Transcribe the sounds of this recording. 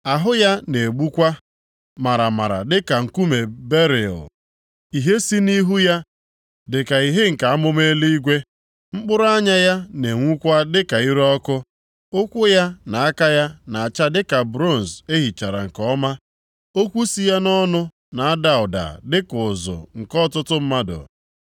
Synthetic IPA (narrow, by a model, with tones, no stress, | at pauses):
a˨ɦʊ˦ja˦ne˨ɡ͡bu˦kʷa˦ | ma˨ɾa˨ma̰˨ɾa̰˨dɪ˦ka˨ŋ̩˨ku˦me˨be˦ɾɪ̰˨ | i˨ɦe˦si˦ni˦ɦu˦ja˦ | dɪ˨ka˨i˨ɦe˦ŋ̩˨ka˨a˦mʊ˦me˦li˦i˦ɡʷe˦ | ŋ͡m̩˦k͡pʊ˦ɾʊ˦a˦ɲa˦ja˦ne˨ŋʷu˦kʷa˦dɪ˦ka˨i˦ɾe˦ɔ˦kʊ˦ | ʊ˦kʷʊ˦ja˦na˨a˦ka˦ja˦na˨a˨t͡ʃa˦dɪ˦ka˨bɾo˦˨n˨ze˦ɦi˨t͡ʃa˨ɾa̰˨ŋ̩˨kɔ˦ma˦ | o˦kʷu˦si˦ja˦nɔ˦nʊ˦ | na˨a˦da˨ʊ˨da̰˨dɪ˦kʊ˨zʊ̰˨ŋ̩˨kɔ˦tʊ˦tʊ˦m̩˦ma˦dʊ̰˨